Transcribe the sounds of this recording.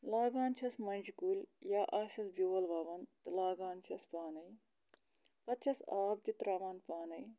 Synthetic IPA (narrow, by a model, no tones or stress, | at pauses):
laːɡaːnt͡ʃʰɐsmɐnʲd͡ʒkulʲjaːʔaːʃɐsbjuːʋɐlʋaːʋɐnt̪ɨlaːɡaːnt͡ʃʰɐspaːnɐj | pɐt̪t͡ʃʰɐsaːb̚t̪it̪ɾaːʋaːnpaːnɐj